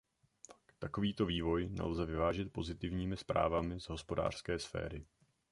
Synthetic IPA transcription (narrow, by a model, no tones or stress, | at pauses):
takt̪ako̞viːt̪o̞viːvo̞jnɛ̰lzɛvɪvaːʒɛt̪̚po̞zɪt̪ɪvɲiːmɪspɾa̰ːvamɪzɦo̞spo̞da̰ːr̝̥skɛːsfɛ̰ːɾɪ